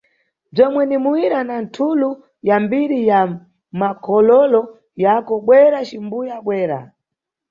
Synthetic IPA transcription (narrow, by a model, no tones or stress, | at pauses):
b͡ʐɔmwɛnimuwiɾanantʰulu | jambiɾija | makʰɔlɔlɔ | jakɔɓwɛɾat͡ʃimbujaɓwɛːɾa̰